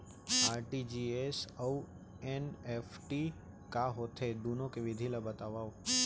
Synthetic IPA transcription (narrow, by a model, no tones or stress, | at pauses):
aːɾʈid͡ʒiːesɐu | eneːfʰʈi | kaɦot̪ʰed̪uːnõkeʋɪd̪ʱilabət̪aʋaːo